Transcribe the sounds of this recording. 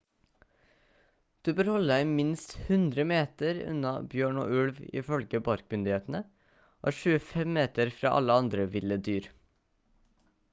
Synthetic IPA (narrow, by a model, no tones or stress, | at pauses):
d̪̥ʉːbøːɾhɔləd̪æɪmɪnst̪hʉnd̪ɾəmeːt̪əɾʉ̰nɑbjøːɳo̰ːʔʉlʋɪ̰fœlɡəbɑɾk̚mʏnd̪ɪheːt̪n̩ə | ʔo̰ːʃʉːəfɛmmeːt̪əɾfɾɑ̰ːʔɑ̰ləɑnd̪ɾəʋɪləd̪yːɾ